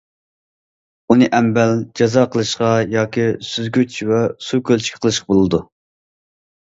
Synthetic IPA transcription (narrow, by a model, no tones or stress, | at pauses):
unɨʔɛmbɛld͡ʒɑzɑqʰəlˠɨʃqɑjɑːkʲisyzɡʲyt͡ʃʰwɛsukʲølt͡ʃʰi̥kʲʰqʰəlˠɨʃqɑbolˠɨd̪u